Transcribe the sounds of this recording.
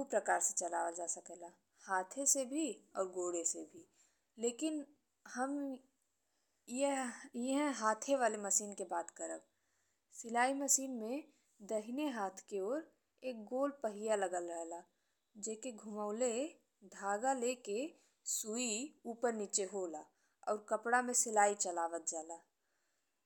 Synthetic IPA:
upɾəkaːɾset͡ʃəla̰ːʋəd͡ʒaːsəkelaː | haːt̪ʰesebʱiɔːɾɡoːɽesebʱi | leːkɪn | həm | jejeɦɛ̃ɦaːt̪ʰeʋaːleməʃiːnkebaːt̪kəɾəb̚ | sɪlaːiməʃiːnmẽ | d̪əɦɪneɦaːt̪ʰkeoːɾ | eːk̚ɡoːlpəɦijaləɡəlɾəɦlaː | d͡ʒɛkeɡʱʊməʊle | d̪ʱaːɡaleke | suiuːpəɾniːt͡ʃeɦoːlaː | ɔ̰ːɾkəpɽamẽsɪlaːit͡ʃəlaːʋət̪̚d͡ʒaːlaː

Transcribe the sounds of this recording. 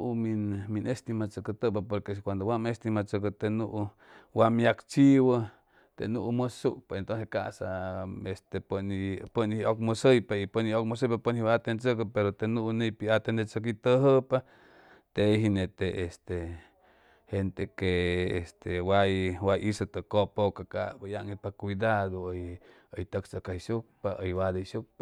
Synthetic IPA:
ʔuminminest̪imat͡səkət̪əpapoɾkeskʷand̪owamest̪imat͡səkət̪enuʔu | wamjakt͡ʃiwə | t̪ḛnuʔuməsuʔpeent̪onseka̰ʔsaest̪epənipənhiokmosəjpaipəniokmos̬əjpapənhiwaat̪ent͡sək̬əpeɾot̪enuʔunepiat̪enet͡ʃək̬it̪əɦəpa | t̪eɦinet̪eːst̪e | hent̪ekeest̪ewajwajisət̪əkopokaka̰bajaʔŋipakʷid̪aðoj | əjt̪əksakaiʃuk̚paʔəjwad̪eʃuk̚pa

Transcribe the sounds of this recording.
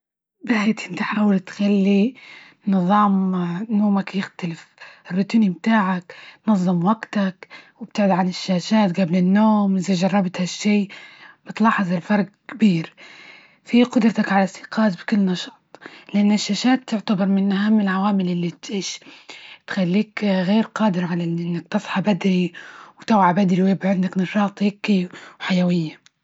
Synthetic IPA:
bɪħeːt̪ʔɪnt̪iħaaːwalt̪xalːi | nɨðˤɑːmnoːmakjɪxt̪alɪfɪrːʊt̪ːnimt̪aːʕaknɑðˤːɨmwaɡt̪akwɪb̥̚t̪ɪʕd̪ʕanɪʃːaːʃaːt̪ɡablɪnːoːmʔɪzaʒɑrˤːɑbt̪haʃːiːb̥ɪt̪lɑːħɑzˤalfɑɾˤɡkbiːɾ | fiqʊd̪ɾˤɑt̪akʕalasɪ̥qɑːt̪bkʊlːnɑʃɑt̪ˤlɪʔanːaɪʃːaːʃaːt̪ːʊʕt̪abɪɾˤmɪnʔahamːɪlʕawaːmɪlʔɪlːit̪ʕiːʃ | t̪xalːiːkɣeːɾqɑːd̪ɪɾʕalaʔɪnʔɪnːak̚t̪ɨsˤħɑbad̪ɾiwt̪awʕabad̪ɾiwebʕɪnd̪aknɑʃɑːt̪ˤhɪkːiwħajawɪjːa

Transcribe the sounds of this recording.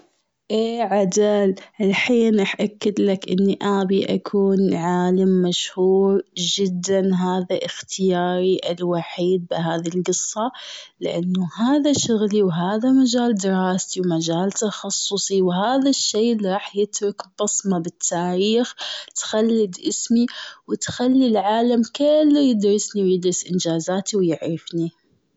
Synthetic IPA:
ʔeːʕad̪alʔɪlħiːnɪħʔakːɪd̪lakʔɪnːiʔaːbiʔa̰kʰuːnʕaːlamːaʃhuːɾd͡ʒɪd̪ːanɦaːðaʔɪxt̪ʰɪjaːɾiʔɪlwaħiːd̪̚bɪɦaːðilɡɨsˤːɑ | lɪʔanːʊhaːðaʃʊɣliwɦaːðamad͡ʒaːld̪ɪɾˤɑːst̪iwmad͡ʒaːlt̪ɑxɑsˤːʊsˤiwhaːðaʃːeːliɾˤɑːħjɪt̪ɾʊkbɑsˤmabɪt̪ʰːaːɾiːxt̪xalːɪd̪ʔɪsmiwɪt̪xalːilʕaːlamkɪlːojɪd̪ɾɪsniwjɪd̪ɾɪsʔɪnd͡ʒaːzaːt̪iwjɪʕɾɑfni

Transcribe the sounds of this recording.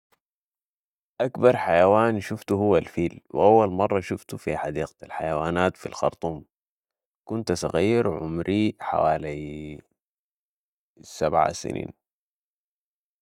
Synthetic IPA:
ʔakbɑɾˤħajawaːnʃuft̪uɦuwːalfiːlwḭʔawːalmɑrˤːɑʃuft̪ufiħad̪iːq̪alħajawaːnaːt̪filxɑ̰ɾˤt̪ˤuːm | kunt̪sˤɑ̰ɣiːɾʕʊ̰mɾiħa̰waːli | sabʕa̰sḭnḭːn

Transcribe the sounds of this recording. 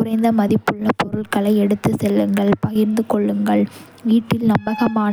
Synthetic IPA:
ʊɾɐɪnd̪ɐmɐðɪpːɯɭːɐpːɔɾɯɭkɐɭɐɪɛɽɯt̪ːɯsɛlːɯŋɡɐɭpɐjɪɾnd̪ɯkɔɭːɯŋɡɐɭ | ʋiːʈːɪlnɐmbɐɣɐmaː

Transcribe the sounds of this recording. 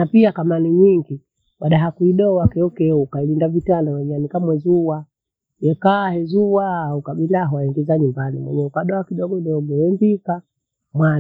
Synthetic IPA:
napiakamaniɲiŋɡi | waɗaɦakuiɗɔwakɛɔkɛukailindavitanawɛɲanikamwɛzuwa | jɛkaːhɛzuwaaukaɓilaɦɔwaɛŋɡɛzaɲumbanḭmwɛ̰ɲɛukaɗɔakiɗɔɡɔiɗɔɡɔjɛmbika | mwan

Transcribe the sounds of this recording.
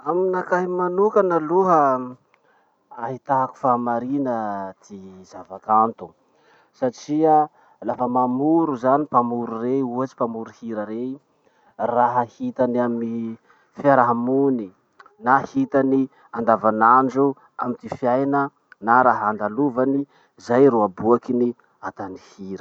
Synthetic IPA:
aminakaɦimanukanaluɦə | aɦit̪aɦaku̥famaɾinəd̪̥iz̥avakant̪u̥ | saʈ͡ʂiə | lafəmamuɾuzanipamuɾureuat͡ʃi̥pamuɾuhiɾaɾei | raɦahit̪anami | faɾaɦamuni | nahit̪ani | and̪avanaɳd͡ʒu | amit̪ifjajnə | naɾaɦand̪aluvani | zajɾuabuakini | at̪anihiɾə

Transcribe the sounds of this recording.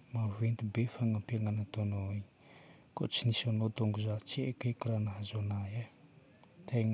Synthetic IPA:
mavent̪ibefaŋampiaŋanat̪onoi | ko̰t͡sinisanot̪oŋɡuzat͡siekekuɾanaɦazonaja | t̪ʰeŋ

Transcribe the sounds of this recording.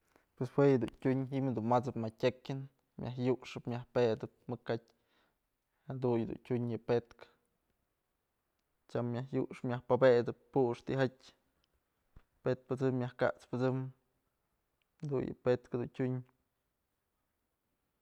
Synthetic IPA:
pweshwejɨd̪ṵntʲuɲɦiʔmhd̪unmat͡sɨpmatʲekʲɨn | mʲjʔa̰hjuʔʂɨpmʲjahpeʔd̪ɨp̚mɨkat̚ʲ | had̪unɨd̪ṵntʲuɲjɨpet̪k | t͡ʃʲamːjahjuʔʂɨmʲjahpabed̪ɨp̚ːuʔʂt̪iʔɦatʲ | pet̪̚pɨt͡sɨmjahka̰ʔt͡spɨt͡sɨm | d̪ṵnjɨ̰pet̪khad̪untʲuɲ

